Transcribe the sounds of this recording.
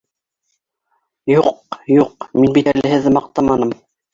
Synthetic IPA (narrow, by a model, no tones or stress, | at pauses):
juq̚juq̚minbit̪ælɘ̆ɦɘ̆ðɘmɑq̚t̪ɑmɑnɤm